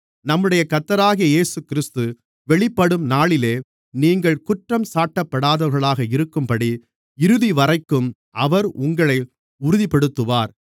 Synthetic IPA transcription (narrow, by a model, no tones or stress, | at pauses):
nɐmːɯɽɐjɐkɐt̪ːɐɾaːɣijɐeːsɯkːɪɾɪst̪ɯ | ʋɛɭɪpːɐɽɯmnaːɭɪleː | niːŋɡɐɭkʊʈrɐmsaːʈːɐpːɐɽaːðɐɾɣɐɭaːɣɐɪɾɯkːɯmpɐɽi | ɪɾɯðiʋɐrɐɪkːɯm | ʔɐʋɐɾʊŋɡɐɭɐɪ | ʊɾʊðipɛɽɯt̪ːɯʋaːɾ